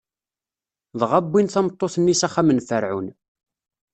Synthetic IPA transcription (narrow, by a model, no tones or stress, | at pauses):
ðˤʁabːinθɑmət̪ˤːoθənːisæχæmənfəɾʕun